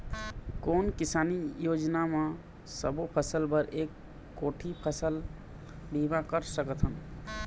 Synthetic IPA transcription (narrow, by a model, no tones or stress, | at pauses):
konkisanijod͡ʒname | səbopʰəsəlbəɾekː | oʈʰipʰəsəl | bʱibãkəɾsəkət̪ɦən